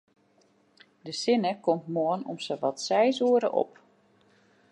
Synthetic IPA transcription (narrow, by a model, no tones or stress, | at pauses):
dəsɪnəkɔmtmuənɔ̰msəʋɔtsɛjzuəɾəʔɔ̰p